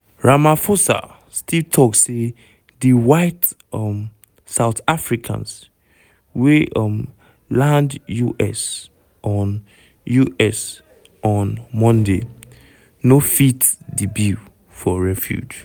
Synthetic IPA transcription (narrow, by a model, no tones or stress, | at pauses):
ɹamafosa̰ | stʰitʰɔkse | diwaɪt | m | saʊtafɹikʰã̰ns | weʔm | lãndjuʔɛs | ʔɔ̃n | juʔɛs | ɔ̃nmɔ̃nde | nofitdibi | fɔɹɛfjṵd͡ʒ